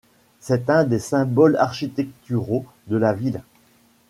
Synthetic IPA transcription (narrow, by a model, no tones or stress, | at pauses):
sɛt̪ɛ̃d̪esɛ̃bɔla̰ʁʃit̪ɛk̚t̪yʁo | d̪əlavil